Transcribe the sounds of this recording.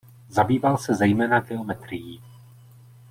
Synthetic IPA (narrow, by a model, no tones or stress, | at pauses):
zabiːvalsɛzɛjmɛːnaɡɛomɛt̪ɾɪjiː